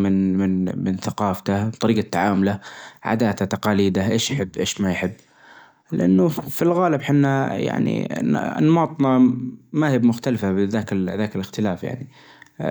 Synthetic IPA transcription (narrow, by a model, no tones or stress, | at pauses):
mɪnmɪnmɪnθaqɑːft̪at̪ˤɑɾiːɡat̪ːaʕaːmʊlaʕa̰d̪aːt̪at̪ɑqɑːliːd̪aʔeːʃjħɪbːʔeːʃmajħɪbː | lɪʔanːʊfilɣaːlɪbħɪnːaja̰ʕnḭn̰nːɑmɑːt̪ˤnɑmaːhɪbmʊxt̪alfabɪðaːkðaːkɪlɪxt̪ɪlaːfja̰ʕni